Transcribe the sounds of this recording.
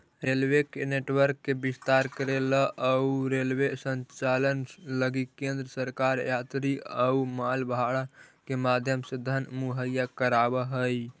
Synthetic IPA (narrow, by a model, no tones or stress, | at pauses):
ɾelwekeneʈwəɾkːebist̪aɾkəɾeləʔəuɾelwesənt͡ʃalənləɡikẽnd̪ɾəsəɾkaɾjat̪ɾiəumalbʱaɽakemad̪ʱjəmsed̪ʱənmuɦəjakəɾabəɦəj